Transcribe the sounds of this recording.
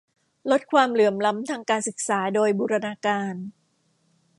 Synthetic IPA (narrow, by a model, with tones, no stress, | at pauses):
lo˦˥t̪̚kʰwaː˧mlɯ˩˦mla˦˥mt̪ʰaː˧ŋkaː˧nsɯ˨˩k̚saː˩˦doː˧jbuː˧ɾa˧naː˧kaː˧n